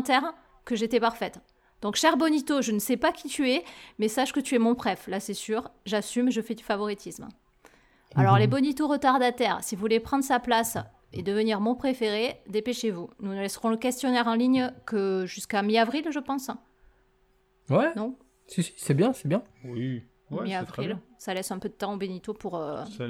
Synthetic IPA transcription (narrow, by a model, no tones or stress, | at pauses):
ɑ̃t̪ɛʁ | kəʒet̪ɛpaʁfɛt̪ | d̪̥ɔ̃kʃɛʁbɔnit̪oʒənəsɛpakʲʰit̪yɛmɛsaʃkət̪yɛmɔ̃pχɛflasɛsyʁʒasymeʒəfɛd̪yfavɔʁit̪ʰism | a̰lɔʁlebɔnit̪oʁət̪aʁd̪at̪ɛʁsivuvulepχɑ̃d̪ʁəsaplas | ed̪əvəniʁmɔ̃pχefeʁed̪epeʃevununəlɛsʁɔ̃ləkʲɛst̪jɔnɛʁɑ̃liɲkəʒyskamiavʁilʒəpɑ̃s | wɛnɔ̃ | sisi̥sɛbjɛ̃sɛbjɛ̃wĩ | miavʁilsalɛsɛ̃pød̪ət̪ɑ̃obenit̪opuʁø